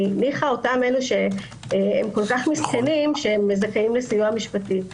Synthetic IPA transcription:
niχaotamenuʃe̞ | emko̞lkaχmiskenimʃeemːezakeimlesijuamiʃpati

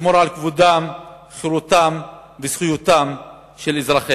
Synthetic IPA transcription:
moɾʕalkvud̪am | χiɾut̪am | vez̥χujut̪am | ʃelizʁaχe

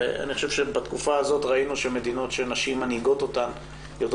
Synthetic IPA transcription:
a̰niχoʃevʃebat̪kufaːzotʁainuʃeme̞d̪ino̞tʃenaʃimːanhiɡo̞to̞tam | jod

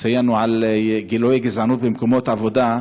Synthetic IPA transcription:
sajanuʕalɡilojeɡezʕanubemkomot̪ʕavod̪a

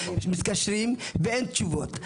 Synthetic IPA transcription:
ʃmit̪kaʃʁimveent̪t͡ʃuvot̪

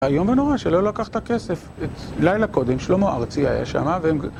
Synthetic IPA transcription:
ajo̞mveno̞ʁaʃelo̞lakaχt̪ake̞se̞f | et̪lajlako̞d̪e̞mʃlomoʔa̰ʁt͡sia̰ja̰ʃa̰maveem

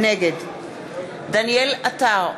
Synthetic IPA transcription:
neɡed̪ | d̪anielat̪a

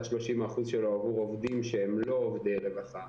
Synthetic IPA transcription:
ʃlo̞ʃimaχuzʃeloovuʁovd̪imʃeemlo̞ːvd̪elevaχa

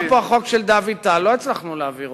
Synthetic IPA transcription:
poaχo̞kʃeld̪avit̪aloit͡slaχnuleaviʁ

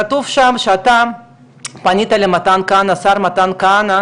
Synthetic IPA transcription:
at̪uvʃamʃeat̪a | panit̪alemat̪ankanasaɾmat̪ankana

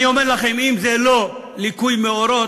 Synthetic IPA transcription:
io̞meʁlaχe̞mimzelo̞ | likujmeo̞ɾo̞

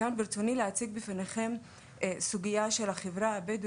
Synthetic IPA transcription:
anbiɾt͡sonileat͡siɡbifaneχe̞m | suɡijaʃe̞laχevʁaabed̪

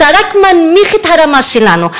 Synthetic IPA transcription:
aɾakmanmiχit̪ʰaɾamaʃilanu

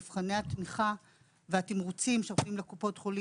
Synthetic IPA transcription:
vχaneat̪miχa | veat̪imʁut͡simʃeʁofimlekupo̞tχoli

